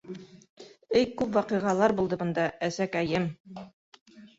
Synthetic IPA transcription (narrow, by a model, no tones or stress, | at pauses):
ɘjkʉpwɑqɤ̆jʁɑlˠɑɾbulˠd̪ɤbɤ̆nd̪ɑæsækæjɘm